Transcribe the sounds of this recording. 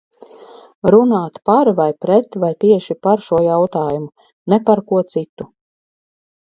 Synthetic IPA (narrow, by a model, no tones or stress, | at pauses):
ɾunaːt̪paɾvajpɾɛt̪vajt̪iɛʃipaɾʃuɔjawt̪aːjumu | nɛpaɾkuɔt̪sit̪u